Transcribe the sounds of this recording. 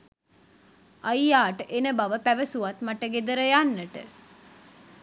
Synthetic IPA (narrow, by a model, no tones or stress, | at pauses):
ajjaːʈəʔenəbaʋəpæʋəsuʋat̪maʈəɡed̪əɾəjanːəʈə̰